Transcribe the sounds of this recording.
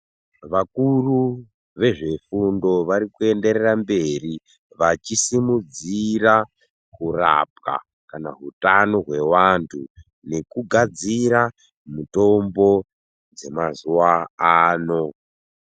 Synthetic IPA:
ʋakuru | ʋe̞ʐe̞fundo̞ʋaɾikue̞nde̞ɾerambe̞ri | ʋat͡ʃisimud͡zira | kura̰p̚ka̰ | kana̰ɦutanoɦwe̞wantʰu | ne̞kuɡʱad͡ziɾa | muto̞mbo̞ | d͡ze̞mazuwaaːno̞

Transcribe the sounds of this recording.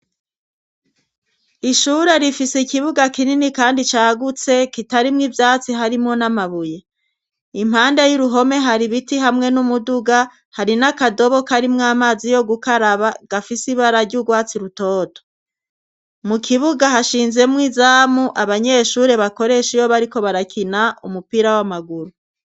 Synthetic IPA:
iʃuːɾe̞ɾifisekiβuɡakininikaːndit͡ʃaːɡut͡se̞kitaɾimŋivjaːt͡siɦaɾimŋo̞namaβuje | im̥haːnde̞jiɾuɦo̞me̞ɦaɾiβitiɦamŋe̞numuduɡa | haɾinakado̞βo̞kaɾimŋaːmaːzijo̞ɡukaɾaβaɡ̥afisiβaɾaɾɟuɡwaːt͡siɾuto̞ːto̥ | mukʰiβuɡaɦaʃiːnze̞mŋizaːmuʔaβaɲe̞ʃuːɾe̞βako̞ɾe̞ʃijo̞βaɾiko̞βaɾakʰinaʔumupiːɾawamaɡuɾu

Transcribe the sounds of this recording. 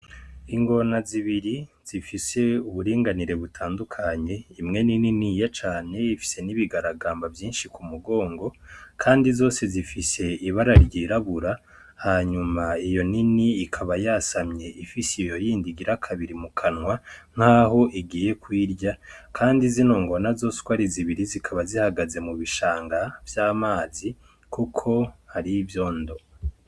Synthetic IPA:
iŋɡo̞naziβiɾiz̥ifise̞uβuɾiːŋɡaniɾe̞βutʰaːndukʰaɲe̞imŋe̞nininijat͡ʃaːne̞ifi̥se̞niβiɡaɾaɡaːmbavjiːnʃikumuɡo̞ːŋɡo̞kʰaːndizo̞ːse̞zifise̞iβaɾaɾɟiɾaβuɾa | haɲumaijo̞niniːkʰaβajasamɲe̞ʔifisijo̞jiːndiɡiɾakʰaβiɾimukʰanŋwaŋ̥haːɦo̞ʔiɡiːje̞kwiːɾɟakʰaːndizinoːŋɡo̞nazo̞skwaɾiziβiɾizikʰaβazihaɡaze̞muβiʃaːŋɡavjaːmaːzi | kukʰo̞haɾivjo̞ːndo̞

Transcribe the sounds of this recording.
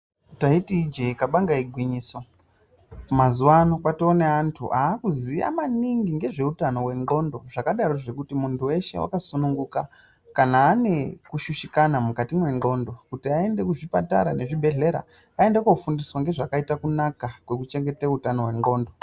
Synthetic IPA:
taitiːd͡ʒeikaɓaŋɡaiɡʱwiɲiːso̞ | mazuwano̞kwatoːneantʰṵʔaːkuzija̰maniŋɡiŋɡe̞ʐe̞utano̞we̞ŋɡo̞ndo̞ʐakaɗaɾo̞ʐe̞kutimuntʰuwe̞ʃe̞̰wʔa̰kasunuŋɡuka | kanaːne̞kuʃuʃikanamukatimwe̞ŋɡo̞ndo̞kutiae̞nde̞kuʐipa̰ta̰ɾane̞ʐibʱe̞ɮe̞ɾa̰ | ae̞ndekoufundiswaŋɡe̞ʐakaitakunakakwe̞kut͡ʃe̞ŋɡe̞teutano̞we̞ŋɡo̞ːndo̞

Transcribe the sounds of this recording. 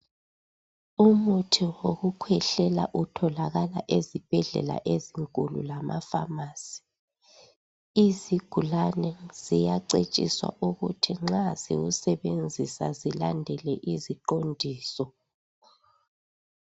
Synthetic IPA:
umutʰiwoɣukʰwɛɬɛla̰ʔutʰɔlaɣala̰ʔezib̥ʱɛɮɛ̰la̰ʔeziŋkʼulṵlamafa̰maːsi̥ | iziɡ̥ʱulanɛz̥ijaǀet͡ʃʼḭswa̰ʔuɣutʰiŋ͡ǁazḭusɛβend͡zʱisa̰zilandʱɛlɛʔiziǃondʱiːsɔ

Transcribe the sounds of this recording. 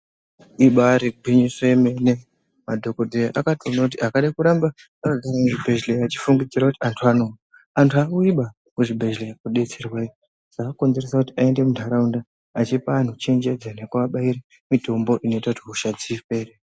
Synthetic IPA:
iɓaɾiɡʱwiɲiseemene | madʱo̞kodʱejaʔakatonakut̬iakaɗakuɾamba | akaɡʱaramuʐibʱe̞ʒleat͡ʃi̥fuŋɡid͡ziɾakutiantʰuano̞a | antʰuakuiɓa | kuʐibʱe̞ʒlejakuɗe̞t͡serwai | sakako̞nzeresakutiae̞nde̞mudʱaɾaundaː | t͡ʃipaːn̤ut͡ʃe̞nd͡ʒed͡zanekuʋaɓaiɾe | mitʰo̞mbo̞ʔino̞itautiɦuʃad͡zife̞ːre

